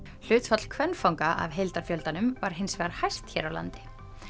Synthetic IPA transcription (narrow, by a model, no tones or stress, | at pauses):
l̥ʏːt̪fat̪l̥kʰvɛnːfawŋkaʔa̰vɦejlt̪aɾ̥fjœlt̪anʏmvaɾ̥ɦɪnsvɛɣaɾ̥hajst̪çɛːɾawla̰nt̪ɪ̥